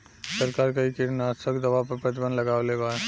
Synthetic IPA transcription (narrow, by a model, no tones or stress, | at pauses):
sɐɾkaːɾkaikɪɾnaːt̪səkd̪ɐʋapɐɾpɾɐt̪ɪbə̃nlɐɡaːʋlebaː